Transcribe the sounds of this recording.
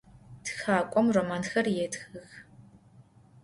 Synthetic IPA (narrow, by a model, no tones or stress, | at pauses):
txaːkʷʼɔmroːmaːnxɐrjɛtxɨx